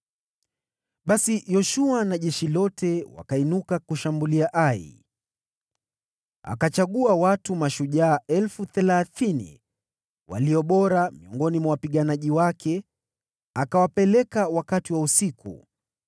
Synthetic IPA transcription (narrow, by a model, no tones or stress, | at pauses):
ɓasijɔʃuanaʄɛʃilɔtɛwa̰kainukakuʃambuliaʔaḭ | a̰kat͡ʃaɠuawatumaʃuʄaːɛlfuθɛlaθinḭ | wa̰liɔɓɔɾamiɔŋɡɔnimawapiɠanaʄiwakʰɛ | akawapɛlɛkawakatiwausikṵ